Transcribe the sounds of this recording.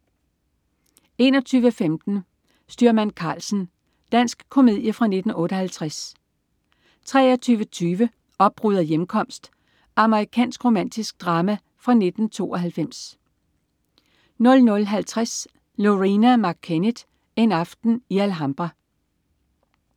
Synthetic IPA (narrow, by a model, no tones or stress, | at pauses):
e̝̰ːnɒ̽t͡sʰyːʋəfemd̥n̩ | sd̥yɐmænkʰɑ̰̈ːlsn̩ | d̥æn̰sɡ̥kʰːo̝me̝ð̰ˠjəfʁɑ̈ne̝d̥n̩ɔ̽ːɾəhælt͡sʰʁas | t͡sʰʁɛ̰ːɒt͡sʰyːʋət͡sʰyːʋə | ɒ̽b̥̚ʁuðˠɐjemkʰɒ̽m̰sd̥ | ʔɑ̈məʁikʰɛ̰ːnsɡ̥ʁo̝mæn̰d̥isɡ̥̚d̥ʁɑ̈ːmæ | fʁɑ̈ne̝d̥n̩t͡sʰo̝̰ːɒɦælfem̰s | nɔ̽lnɔ̽lɦælt͡sʰʁas | loʁinæmɑ̈kʰːened̥ | e̝nɑ̈fd̥n̩iælɦɑ̈mb̥ʁɑ